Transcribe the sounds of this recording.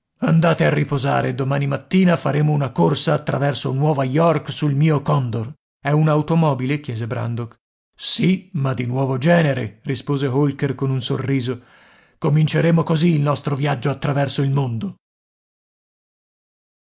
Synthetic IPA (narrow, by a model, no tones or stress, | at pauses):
and̪aːt̪earːipoza̰ːɾḛd̪omaːnimat̪ːiːnafaɾeːmounakorsaːt̪ːɾavɛrso̰nwɔːvajɔrksulmiːokɔnd̪or | ɛunaut̪omɔːbilek̟jɛːzebɾa̰nd̪ok | simad̪ːinwɔːvod͡ʒɛːneɾerispoːzeɦolkerkonunso̰rːiːzo | komint͡ʃeɾeːmokoziːlnɔst̪ɾovjad͡ʒːoat̪ːɾavɛrsoilmond̪o